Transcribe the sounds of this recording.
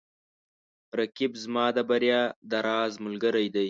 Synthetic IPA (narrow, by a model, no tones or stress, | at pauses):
ɾakɪbzmɑːd̪əbaɾjɑːd̪aɾɑːzmʊlɡəɾajd̪aj